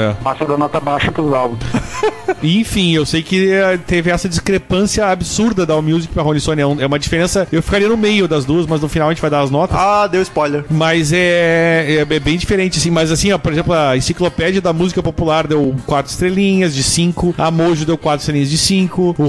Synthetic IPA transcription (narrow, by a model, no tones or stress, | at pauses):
ɛ̰pasɐ̃d̪ɐnɔt̪ɐbaʃɐpɾʊzawbũs | ɪẽfĩewsejkɪt̪evɪɛsɐd͡ʒiskɾepɐ̃siɐabɪsuɾd̪ɐd̪amjuzikɪpɾɐɦõnisõnɪɛũɛũmɐd͡ʒifeɾẽsɐewfi̥kaɾiɐnʊmejʊd̪ɐzd̪uɐsmɐznʊfinawɐẽt͡ʃɪvajd̪aɾɐznɔt̪ɐsad̪ewɪspɔjleɾmɐzɛ | ɛɛbẽj̃d͡ʒifeɾẽnt͡ʃɪasĩmɐzasĩɔpoɾezẽmplʊɐĩsiklopɛd͡ʒiɐd̪ɐmuzikɐpopulaɾd̪ewkwat̪ɾʊɪ̥st̪ɾelĩɲɐzd͡ʒɪsĩŋkʊamoʒʊd̪ewkwat̪ɾʊ̥st̪ɾelĩɲ̃ɐzd͡ʒɪsĩŋkʊʊ